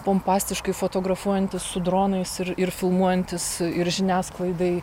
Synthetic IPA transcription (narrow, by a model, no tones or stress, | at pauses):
poːmpɑːsʲt̪ʲɪʃkɐɪfoːt̪oːɡɾɐfuɔjɛnʲt̪ʲɪssʊd̪ɾoːnɐɪsɪɾɪɾfʲɪlˠmuɔjɛnʲt̪ʲɪsɪɾʒʲɪnʲæːsklˠɐɪd̪ɐɪ